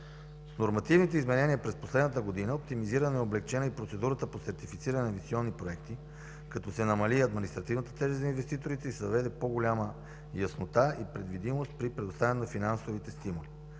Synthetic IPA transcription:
snoɾmɐt̪ivnit̪ɛizmɛnɛniəpɾɛsposlɛd̪nət̪əɡod̪inəopt̪imiziɾənɛoblɛkt͡ʃɛnəipɾot̪sɛd̪uɾət̪əposɛɾt̪ifit̪siɾənɛnɐvit̪siɔnːipɾoɛkt̪i | kɐt̪ɔsɛnɐmɐliɐd̪minist̪ɾɐt̪ivnət̪ə̥t̪ɛʒizɐinvɛst̪it̪oɾit̪ɛisɛvɐvɛd̪ɛpoɡolʲamə | jɐsnot̪aipɾɛd̪vid̪imost̪̚pɾipɾɛd̪ʊst̪avɛnɛnɐfinansovit̪ɛst̪imoli

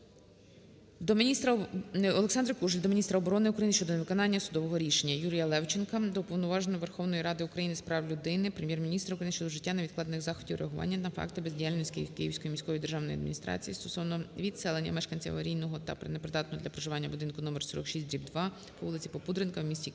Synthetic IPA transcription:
d̪ɔmʲist̪ɾɐɔlˠeksɑnd̪ɾɐkuʒlʲd̪ɔmʲinʲist̪ɾɐɔbɔɾɔnɪʊkɾɐjinɪʃt͡ʃɔd̪ɔneʋɪkɔnɑnʲːɐsʊd̪ɔʋɔɦɔɾʲiʃenʲːɐjuɾʲijɐlˠɛwt͡ʃenkɐd̪ɔpɔwnɔʋɑʒenɔʋerxɔwnɔjiɾɑd̪ɪʊkɾɐjinɪspɾɑwlʲʊd̪ɪnɪpɾemʲjɛrmʲinʲist̪ɾɐukɾɐjinʃt͡ʃɔd̪ɔʒɪtʲːanɐʋʲid̪̚klˠɑd̪enɪxzɑxɔdʲiwɾʔḛɐɦʊʋɑ̰nʲːɐnɐfɑ̰kt̪ɪbezʲdʲijalʲnɔsʲkɪjkɪjiwsʲkɔjimʲisʲkɔʋɔjid̪erʒɑwnɔjɐd̪mʲḭnʲist̪ɾɑ̰t͡sʲijḭst̪ɔsɔʋnɔʋʲid̪sɛlˠenʲːɐ̰mɛʃkɐnʲt͡sʲḭʋɐɾʲijnɔɦɔt̪ɐ̰pɾenepɾɪd̪ɑt̪nɔɦɔd̪lʲɐpɾɔʒɪʋɑnʲːɐbʊd̪ɪnkʊnɔmersɔ̰ɾɔ̰kʃisʲt̪̚ʲd̪ɾʲibd̪ʋɑ | pɔʋulˠɪt͡sʲi̥pɔpud̪ɾɪnkɐwmʲisʲtʲi

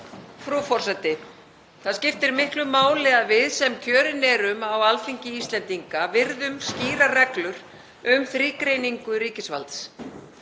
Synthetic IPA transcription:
fɾufɔr̥sɛt̪ɪ | θaðscɪft̪ɪɾmɪhklʏmːaːwlɪavɪðsɛmcʰœːɾɪnɛɾʏmawalfiɲcɪist̪lɛnt̪iŋkavɪɾðʏmsciːɾarɛklʏɾ̥ | ʏmθɾiːkɾejniŋkʏɾiːcɪsvalt̪s

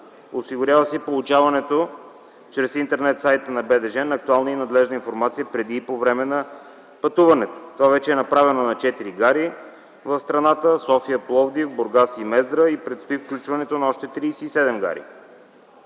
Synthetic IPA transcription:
osiɡʊɾʲjavəsɛpolˠut͡ʃavɐnɛt̪o | t͡ʃɾɛsint̪ɛɾnɛt̪sajt̪ənɐbɛd̪ɛʒɛnːk̚t̪ualˠnəinɐd̪lɛʒnəinfoɾmat̪sijəpɾɛd̪iːpovɾɛmɛnɐ | pɐt̪uvɐnɛt̪o̥t̪ovavɛt͡ʃɛːnɐpɾavɛnonɐt͡ʃɛt̪iɾiɡaɾi | vəfst̪ɾɐnat̪əsɔfijəplˠɔvd̪ivboɾɡasimɛzd̪ɾəipɾɛt̪st̪ʊifklʲut͡ʃvɐnɛt̪onɐɔʃt̪ɛt̪ɾiːsɛːsɛd̪ɛmɡa̰ɾḭ

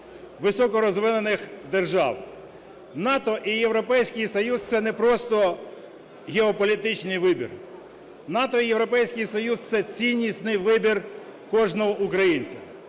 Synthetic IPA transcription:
ʋɪsɔkɔɾɔzʋɪnenɪxd̪erʒɑ̰w | n̪ɑt̪ɔʔijeʋɾɔpɛjsʲkɪjsɔjuzt̪sɛnɛpɾɔst̪ɔ | ɣʲeɔpɔlʲit̪ɪt͡ʃnɪjʋɪbʲḭr | nɑt̪ɔijeʋɾɔpɛjsʲkɪjsɔjuzt̪sɛt͡sʲinʲːisʲt̪nɪjʋɪbʲirkɔʒnɔɦɔʔukɾɐjinʲt͡sʲɐ

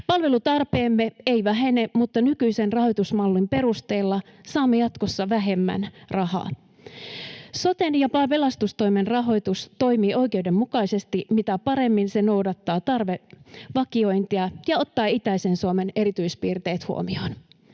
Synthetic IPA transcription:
pɑlʋe̞lut̪ɑrpeːmːeeijʋæɦe̞nemut̪ːɑnykyise̞nrɑho̞jt̪usmɑlːimpe̞ɾust̪e̞ːlːɑsɑːmːejɑt̪ko̞sːɑʋæɦe̞mːæ̰nrɑɦɑ̰ː | so̞t̪enjɑpɑpe̞lɑst̪ust̪o̞jmenrɑɦo̞jt̪ust̪o̞jmiːʔo̞jke̞ude̞mːukɑise̞st̪imit̪æpɑɾe̞mːinseno̞wdɑt̪ːɑːt̪ɑrʋe̞ʋɑkio̞jnt̪iɑjɑo̞t̪ːɑːit̪æise̞nsuome̞ne̞ɾit̪yispiːrt̪e̞ːt̪hṵo̰mio̞̰n

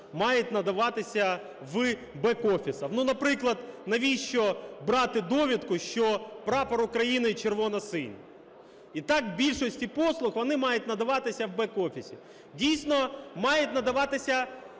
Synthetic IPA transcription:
mɑjʊt̪ʲnɐd̪ɐʋɑt̪ɪsʲɐ | ʋɨ | bɛkɔfʲisɐwnunɐpɾɪklˠɐd̪nɐʋʲiʃt͡ʃɔbɾɑt̪ɪd̪ɔʋʲid̪kʊʃt͡ʃɔpɾɑpɐɾʊkɾɐjinɪt͡ʃerʋɔnɐsɪ̰nʲ | it̪ɑkbʲilʲʃɔsʲtʲipɔslˠʊxʋɔnɪmɑjʊt̪ʲnɐd̪ɐʋɑt̪ɪsʲɐwbɛkɔfʲisʲḭ | dʲijsʲnɔmɑjʊt̪ʲnɐd̪ɐʋɑt̪ɪsʲɐ

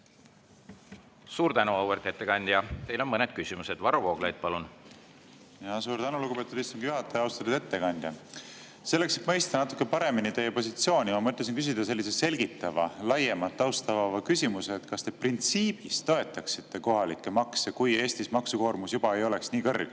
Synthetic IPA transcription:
suːɾt̪ænuɑuwert̪et̪ːekɑnʲd̪̥jɑt̪e̞jlo̞nmɤned̪̥̚kysʲimused̪vɑɾuvo̞ːɡ̥lejd̪̥̚pɑlun | jɑsuːɾt̪ænuluɡupe̞t̪ud̪ist̪uŋɡ̥juɦɑt̪ːˑejɑwst̪ɑt̪ːud̪̥e̞t̪ːe̞kɑnʲd̪̥jɑ | se̞lːe̞kse̞t̪mɤjst̪ɑnɑt̪ːˑu̥kːˑe̞pɑɾe̞minit̪e̞jːepo̞s̬it̪sio̞ːnʲimɑmɤt̪ˑːɑs̬inkys̬id̪̥ɑse̞lːise̞selʲɡ̥it̪ːˑɑvɑ̰lɑjemɑt̪ːˑɑwst̪ɑvɑvɑkysimuse̞ːt̪kɑst̪e̞print̪siːb̥ist̪o̞e̞t̪ːˑɑksi̥t̪ːe̞ko̞ɦɑlikːe̞mɑksekuje̞ːst̪ismɑksuko̞ːrmusjub̥ɑe̞jo̞le̞ksniːkɤrɡ̥

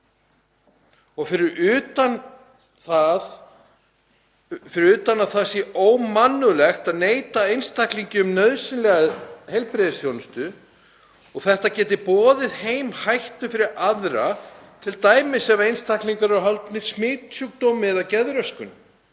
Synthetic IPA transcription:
ɔɣfɪɾɪɾʏt̪an | θað | fɪɾɪɾʏːt̪anaθasjɛʔoːwmanːʏlɛxt̪aðneːjt̪aejnst̪ʰakliɲcɪʏmnœðsɪnlɛɣahɛjlpɾɪðɪsjownst̪ʏ | ɔɣθɛht̪acɛːt̪ɪpɔːðɪðhejmhajht̪ʏfɪɾɪɾaðɾat̪ʰɪlt̪aːjmɪsɛmaejnst̪ʰakliŋkaɾɛɾɦalt̪nɪɾ̥smɪːt̪sʏk̚t̪owmɪðawcɛðɾœskʏn

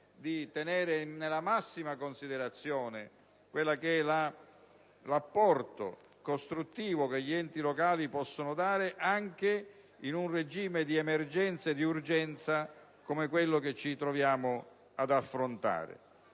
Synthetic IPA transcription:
d̪it̪ɛnɛːɾɪnelamasːimakonsid̪eɾat̪sːjɔːnɪ | kwelːakɛla | lapːɔrt̪o̰ | kost̪ɾut̪ːiːvʊkeʎːiɛnt̪ilɔkaːlipɔsːonʊd̪aːɾɪʔaŋk̟e | inunred͡ʒiːmed̪iɛmɛrd͡ʒɛnt̪saed̪iurd͡ʒɛnt̪sa | komekwelːoket͡ʃːit̪ɾɔvjaːmʊ | ad̪afːɾont̪a̰ːɾɪ̰

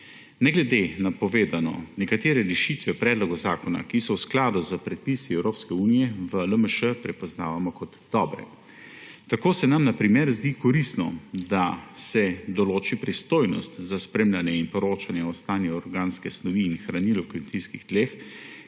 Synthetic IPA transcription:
nɛɡlɛd̪enapɔʋeːd̪anɔ̰nɛkat̪eːɾɛɾɛʃit̪ʋɛpɾɛːd̪lɔɡɔzaːkɔna̰kisɔwsklaːd̪uzəpɾɛt̪̚pisiɛwɾoːpskɛuːnijɛʋələməʃəpɾɛpɔznaːʋamɔkɔt̪ːɔbɾɛ̰ | t̪akoːsɛnamnapɾimɛɾzd̪ikɔɾist̪nɔ̰d̪asɛd̪ɔloːt͡ʃipɾist̪oːjnɔ̰st̪zaspɾeːmlʲanjɛinpɔɾoːt͡ʃanjɛɔst̪aːnjuɔɾɡaːnskɛsnɔʋiːnxɾanilɔkɛnt̪iskixd̪̥leːx

